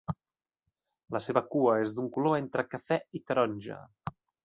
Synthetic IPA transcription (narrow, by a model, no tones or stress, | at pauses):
ləseβəkuəezd̪uŋkuloent̪ɾəkəfɛit̪əɾɔnʲʒə̰